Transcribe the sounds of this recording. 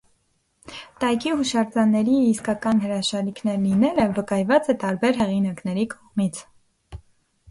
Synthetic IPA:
t̪ɑjkʰiɦuʃɑɾd͡zɑnːɛɾiːskɑkɑnɦəɾɑʃɑɾikʰnɛɾlinɛləvəkɑjvɑt͡sɛt̪ɑɾbɛɾɦɛʁinɑknɛɾikʰɔʁmit͡sʰ

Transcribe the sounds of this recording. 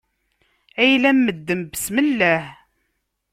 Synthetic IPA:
æjlæmːəd̪ːəmbəsməlːæh

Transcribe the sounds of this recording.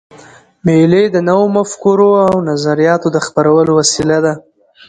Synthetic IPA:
meled̪ənawomafkuɾoawnazaɾijɑt̪od̪əxpaɾawəlowasilad̪a

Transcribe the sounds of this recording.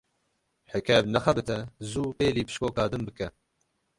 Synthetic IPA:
ħɛkʰɛbnɛxɛbɨt̪ʰɛzuːpeːliːpɨ̥ʃkoːkɑːd̪ɨmbɨkɛ

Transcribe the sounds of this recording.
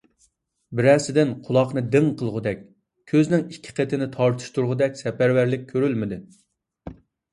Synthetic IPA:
bɪɾæsɪd̪ɪnqʰʊlˠɑqnɨd̪ɪŋqʰəlˠʁʊd̪ɛkʲ | kʲʰøznɪŋikʲʰːɪ̥qʰet̪ʰɪnɪt̪ʰɑɾt̪ʰɨ̥ʃt̪uɾʁʊd̪ɛkʲsɛpæɾvæɾlɪk̚ʲʰːøɾylmɪd̪ɪ

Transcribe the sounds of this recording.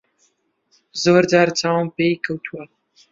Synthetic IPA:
zoːɾd͡ʒaːɾt͡sʰaːwmpejkʰɐwt̪ʰuɐ

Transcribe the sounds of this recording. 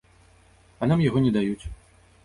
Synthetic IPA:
ɐnamjaɣɔnʲɛd̪ajut͡sʲ

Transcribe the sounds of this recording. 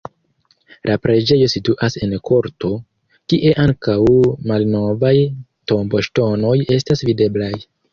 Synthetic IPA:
lʔapɾe̞d͡ʒe̞jo̞situʔase̞nkʰo̞ɾto̞ | kiʔe̞ʔaŋkawmalno̞vajto̞mbo̞ʃto̞no̞je̞stasvide̞blaj

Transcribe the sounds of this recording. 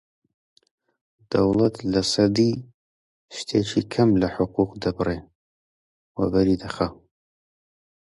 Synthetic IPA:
d̪̥ɐwlˠɐt̪lɐsɐd̪i | ʃt̪ʰeːt͡ʃʰikʰɐmlɐħʊquqd̪ɐbɨre | wɐbɐɾid̪ɐxɐ

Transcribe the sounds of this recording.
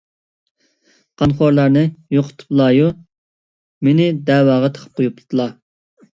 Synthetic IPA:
qʰɑnχoɾlˠɑɾnɨjoqʰʊ̥t̪ʰɨ̥plˠɑju | menɪd̪ɛːwɑːʁɑt̪ʰə̥qʰə̥p̚qʰojuplˠɨt̪ʰɨlˠɑ

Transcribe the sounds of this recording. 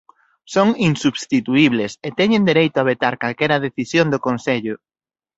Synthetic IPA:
soŋinsuβst̪it̪uiβleset̪ɛɲẽnd̪eɾejt̪ʊaβ̞et̪aɾkalkɛɾɐðeθisjõnd̪okonseʎʊ

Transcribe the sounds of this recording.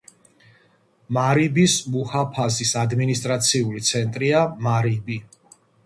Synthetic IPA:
maɾibismuhapʰazisad̪minist̪ʼɾat̪sʰiulit̪sʰɛnt̪ʼɾiamaɾibi

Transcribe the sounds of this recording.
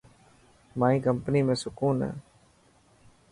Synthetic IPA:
mãːĩːkəmpniːmẽːsʊkuːnɦɛ̰ː

